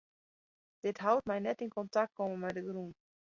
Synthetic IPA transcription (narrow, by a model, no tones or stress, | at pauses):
d̥ɪtɦawt̚majnɛtɪnkɔntak̚t̚kʰɔmənmɛdəɡɾun